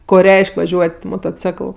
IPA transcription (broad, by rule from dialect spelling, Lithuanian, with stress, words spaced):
ˈkoː ˈrʲɛɪʃʲkʲ ʋɐˈʒʲuɔtʲ moːtoːˈt͡sʲɛklˠ